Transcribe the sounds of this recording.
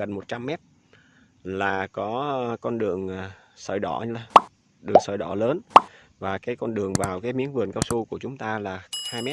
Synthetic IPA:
ɣə˨˩nmo˨˩t̚t͡ɕa˧mːɛ˦˥t̚ | laː˨˩kɔ˨˦kɔ˧nɗɨ˨˩əŋ˩sə̰ː˧˩jɗɔ˧˩˧ə˧ | ɗɨ˨˩əŋsəː˧˩jɗɔ˧˩ləː˨˦nvaː˨˩kaː˨˦jkɔ˧nɗɨ˨˩əŋvaː˨˩wkaː˨˦jmḭ˧˥ənvɨ˨˩ənkaː˧wsu˧ku˧˩ət͡ɕʊ˨˦ŋ͡mt̪aː˧laː˨˩haː˧jmɛ˦˥

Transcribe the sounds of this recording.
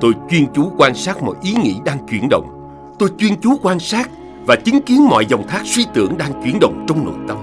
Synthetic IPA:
t̪o˧jt͡ɕwi˧ənt͡ɕu˨˦kwaː˧nsaː˦˥t̚mɔ̰˧˨jʔi˨˦ŋḭ˧˥ɗaː˧ŋt͡ɕwi˧˩ənɗə̰˧˨wŋ͡m | t̪o˧jt͡ɕwi˧ənt͡ɕu˨˦kwaː˧nsaː˦˥k̚ | vaː˨˩t͡ɕï˨˦ŋki˨˦ənmɔ̰˧˨jzɔ˨˩wŋ͡mt̪ʰaː˦˥k̚swi˧t̪ɨ̰˧˩əŋɗaː˧ŋt͡ɕwi˧˩ənɗə̰˧˨wŋ͡mt͡ɕɔ˧wŋ͡mno̰˧˨jt̪ə˧m

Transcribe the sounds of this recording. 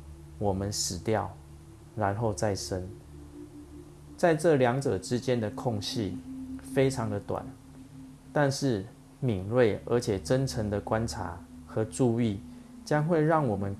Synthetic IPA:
wɔ˨˩mə˦nʂɻ̩˨˩t̪jɑ˥˨˩ʊ | ɻa˧˦nxo˥˧ʊt͡sa˥˨ɪʂə˦˥n | t͡sa˥˧ɪʈ͡ʂɤ˥˨ljɑ˧˦ŋʈ͡ʂɤ˨˩ʈ͡ʂɻ̩˦t͡ɕjɛ˦nd̪ə˨kʰɔ˥˧ŋɕi˥˨fe˥ɪʈ͡ʂʰɑ˧˦ŋd̪ə˨t̪wa̰˨˩n | t̪a˥˧nʂɻ̩˥˩ | mi˨˩ŋlwe˥˩ɪə̰˧˥t͡ɕʰjɛ˨˩ʈ͡ʂə˦˥nʈ͡ʂʰə˧˥ŋd̪ə˨kwa˦nʈ͡ʂʰa̰˧˥xɤ˧˥ʈ͡ʂu˥˧i˥˨t͡ɕjɑ˦ŋxwe˥˧ɪɻɑ˥˩ŋwɔ˨˩mə˦n

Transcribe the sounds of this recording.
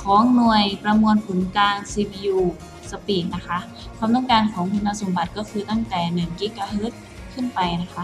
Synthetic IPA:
kʰɔː˨˦ŋnu˨˩əjpɾa˧mu˧ənpʰu˨˩˦nkaː˧ŋsiː˧biː˧juː˧˩ | sa˧piː˨˩t̪̚na˦˥kʰa˦˥ʔ | kʰaː˧˨mt̪ɔː˥˩ŋkaː˧nkʰɔː˩˦ŋkʰu˧nːa˧˥so˨˩˦mba˨˧˩t̪̚kɔː˥˩kʰɯː˧t̪a˥˩ŋt̪ɛː˨˩nɯ˨˩nkiː˦˥kaː˧ɦɤː˦˥t̪̚ | kʰɯ˥˨npa˨jna˦˥kʰa˦˥ʔ

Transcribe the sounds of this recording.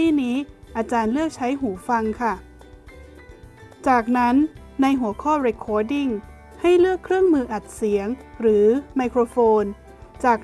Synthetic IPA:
iː˥˩niː˦˥ʔaː˧t͡ɕaː˧nlɯ˥˩ək̚t͡ɕʰa˦˥jɦuː˩˦fa˧ŋkʰa˥˩ | t͡ɕaː˨˩k̚na˦˥nː | a˧jɦu˩˦əkʰɔː˥˩ɾeː˧kʰɔː˧di˥˩ŋ | ha˥˩jlɯ˥˩əkʰːɾɯ˥˩əŋmɯː˧ʔa˨˩t̪̚si˨˩˦əŋɾɯː˩˦ma˧jkʰɾoː˧foː˧n | t͡ɕaː˨˩k

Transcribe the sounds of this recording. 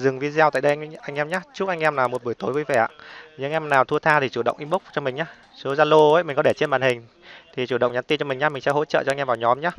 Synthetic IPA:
zɨ˨˩ŋvi˧zaː˧wt̪a̰ː˧˨jɗə˧˦ʔa˧jŋ̟ʔɛ˧mɲaː˦t͡ɕu˦˥k̚ʔa˧jŋ̟ʔɛ˧mlaː˨˩mo˨˩ɓu˧˩əjt̪o˨˦jvəː˨˦jvɛ˧˩a̰ː˧˨ɲɨ˧ŋʔɛ˧mnaː˨˩wt̪ʰu˧ət̪ʰaː˧t̪ʰi˨˩t͡ɕu˧˩ɗə̰˧˨wʔi˧mɓʊ˦˥k͡p̚t͡ɕɔ˧mï˨˩ŋ̟ɲaː˨˦ | so˨˦zaː˧lo˧əː˨˦jmï̟˨˩kɔ˨˦ɗe˧˩t͡ɕe˧nɓaː˧˨˩nhï˨˩ŋ̟ | t̪ʰi˨˩t͡ɕu˧˩ɗə̰˧˨wŋ͡mɲa˨˦nt̪i˧nt͡ɕɔ˧mi̟˨˩ɲaː˨˦mï˨˩ŋ̟sɛ̰˧˥ho̰˧˥t͡ɕə̰ː˧˨t͡ɕɔ˧ŋ̟ʔvaː˨˩wɲɔ˨˦mɲaː˨˦˥

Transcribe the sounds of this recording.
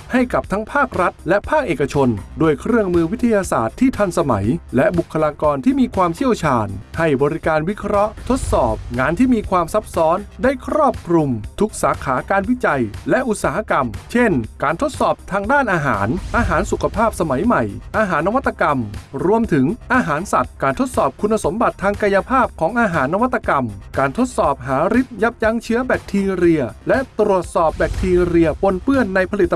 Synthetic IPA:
ha˥˩jka˨˩p̚t̪ʰa˦˥ŋpʰaː˥˩k̚ɾa˦˥t̪̚lɛ˦˥pʰaː˥˩k̚ʔeː˨˩ka˧t͡ɕʰo˧nduː˧˩əjkʰɾɯ˥˩əŋmɯː˧wi˦˥t̪ʰːa˧jaː˧sa̰ː˨˩t̪ʰːiː˥˩t̪ʰa˧˩nsa˧ma̰˩˦jlɛ˦˥bu˨˩kʰːa˧laː˧kɔː˧nt̪ʰiː˥˩miː˧kʰwaː˧mt͡ɕʰi˥˩əwt͡ɕʰaː˧nha˥˩jbɔː˧ɾi˦˥kaː˧nwi˦˥kʰɾɔ˦˥ʔt̪ʰo˦˥t̪̚sɔː˨˩p̚ŋaː˧nt̪ʰiː˥˩miː˧kʰwaː˧msa˦˥p̚sɔː˦˥nda˥˩jkʰɾɔː˥˩p̚kʰɾu˧mt̪ʰu˦˥k̚saː˩˦kʰaː˩˦kaː˧nwi˦˥t͡ɕa˧jlɛ˦˥ʔu˨˩t̪̚saː˩˦ha˧˩ka˧mt͡ɕʰe˥˩nkaː˨˧nt̪ʰo˦˥t̪̚sɔː˨˩p̚t̪ʰaː˧ŋdaː˥˩nʔaː˧ɦa̰ː˩˦nʔaː˧ɦaː˩˦nsu˨˩kʰa˧pʰaː˥˩p̚sa˧ma˨˩˦jma˨˩jʔaː˧ɦaː˩˦nːa˧wa˦˥t̪ːa˧ka˧mɾu˧əmt̪ʰɯ˩˦ŋʔaː˧ɦaː˩˦nsa˨˩t̪̚kaː˧˩nt̪ʰo˦˥t̪̚sɔː˨˩p̚kʰu˧nːa˧so˩˦mba˨˩t̪ʰːaː˧ŋka˧ja˧pʰaː˥˩p̚kʰɔː˩˦ŋʔaː˧ɦaː˩˦nːa˧wa˦˥t̪ːa˧ka˧mkaː˨˩nt̪ʰo˦˥t̪̚sɔː˨˩p̚ɦaː˩˦ɾi˦˥t̪̚ja˦˥p̚ja˧ŋt͡ɕʰɯ˦˥ɐbɛː˨˩k̚t̪ʰiː˧ɾi˧ɐlɛ˦˥t̪ɾu˨˩ət̪̚sɔː˨˩p̚bɛː˨˩k̚t̪ʰiː˧ɾi˧ɐpo˧npɯ˥˩ənːa˧jpʰa˧li˨˩t̪ː

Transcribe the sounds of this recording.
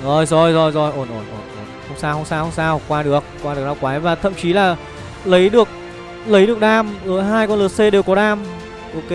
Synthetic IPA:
zɔ˧˩jzɔ˧˩jzɔ˧˩jzɔ˧˩jʔo˧˩nʔo˧˩nʔo˧˩nʔo˧˩nhə˧wŋ͡msaː˧whə˧wŋ͡msaː˧whə˧wŋ͡msaː˧wkːwaː˧ɗɨ˨˩ək̚ːwaː˧ɗɨ˨˩əɗaː˧wkwaː˨˦jvaː˨˩t̪ʰə̰˧˨mt͡ɕi˨˦laː˨˩ | lə˨˦jɗɨ˨˩ək̚ | lə˨˦jɗɨ˨˩ək̚ɗaː˧mzo˨˦jɦaː˧jkɔ˧nlɨ˨˩t̚se˧ɗe˨˩wkɔ˨˦ɗaː˧m | ʔo˧ke˧

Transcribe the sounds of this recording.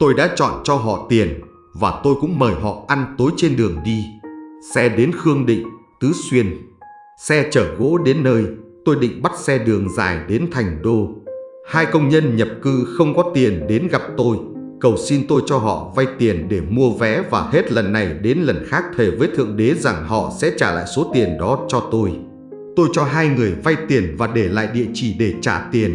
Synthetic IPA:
t̪o˧jɗa̰ː˧˥t͡ɕɔ̰˧˨nt͡ɕɔ˧ɦɔ̰˧˨t̪i˨˩ən | vaː˨˩t̪o˧jkʊ̰˧˥ŋ͡mməː˨˩jɦɔ̰˧˨ʔa˧nt̪o˨˦jt͡ɕe˧nɗɨ˨˩əŋɗi˧sɛ˧ɗe˨˦nxɨ˧əŋɗḭ˧˨ŋ̟t̪ɨ˨˦swi˧ən | sɛ˧t͡ɕəː˧˩ɣo̰˧˥ɗe˨˦nːəː˧jt̪o˧jɗḭ˧˨ŋ̟ɓa˦˥t̚sɛ˧ɗɨ˨˩əŋza̰ː˧˨˩jɗe˨˦nt̪ʰa˨˩jŋ̟ɗo˧ | haː˧jkə˧wŋ͡mɲə˧nɲə˨˩p̚kɨ˧xə˧wŋ͡mkɔ˨˦t̪i˨˩ənɗe˨˦nɣa˨˩p̚t̪o˧j | kə˨˩wsi˧nt̪o˧jt͡ɕɔ˧ɦɔ̰˧˨va˧jt̪i˨˩ənɗe˧˩mu˧əvɛ˨˦vaː˨˩he˦˥t̚lə˨˩nːa˨˩jɗe˨˦nlə˨˩nxaː˦˥k̚t̪ʰe˨˧˩vəː˨˦jt̪ʰɨ̰˧˨əŋɗe˨˦za˨˩ŋhɔ̰˧˨sɛ̰˧˥t͡ɕaː˧˩la̰ː˧˨jso˨˦t̪i˨˩ənɗɔ˨˦t͡ɕɔ˧t̪o˧j | t̪o˧jt͡ɕɔ˧ɦaː˧jŋɨ˨˩əjva˧jt̪i˨˩ənvaː˨˩ɗe˧˩la̰ː˧˨jɗḭ˧˨ət͡ɕi˧˩ɗe˧˩t͡ɕaː˧˩t̪i˨˩ən

